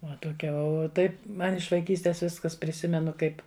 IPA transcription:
ˈʋɐ toːˈkʲɛ oː ˈtɐɪp ˈmɐn ɪʃ ʋɐɪˈkʲiːsʲtʲeːs ˈʋʲɪskɐs pʲrʲɪˈsʲɪmʲɛnʊ ˈkɐɪp

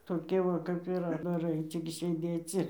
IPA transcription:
toːˈkʲiɛ ˈʋɐ kɐp ɪr ɐddɐˈrɐɪ ˈt͡sʲɪk sʲeːˈdʲeːt͡s ɪr

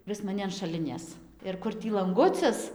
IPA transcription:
ˈʋʲɪs mɐˈnʲɪ ɐn ʃɐˈlʲɪnʲeːs ɪr ˈkʊr ˈtʲiː lˠɐŋˈɡʊt͡sʲɪs

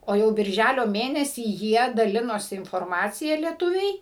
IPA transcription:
oː ˈjɛʊ bʲɪrʲˈʒʲælʲoː ˈmʲeːnʲɛsʲiː ˈjiɛ dɐˈlʲɪnoːsʲɪ ɪnfoːrˈmɑːt͡sʲɪjɛ lʲiɛˈtʊʋʲɛɪ

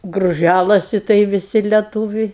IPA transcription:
ɡrʊˈʒʲælˠɐsʲɪ tɐɪ ʋʲɪˈsʲɪ lʲɛˈtuːʋʲɛɪ

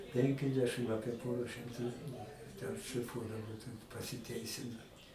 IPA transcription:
ˈpʲɛŋʲkʲɛzʲdʲɛʃɨm ˈɑːpʲiɛ ˈpoːrɐ ʃʲɪmˈtuː tʲɛn ʃʲlʲɪˈfuɔdɐʋoː pɐsʲɪˈtʲɛɪsʲɪnoː

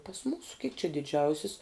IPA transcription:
pɐs ˈmuːsʊ kʲɪk t͡ʃʲɪ dʲɪˈd͡ʒʲɛʊsʲɪs

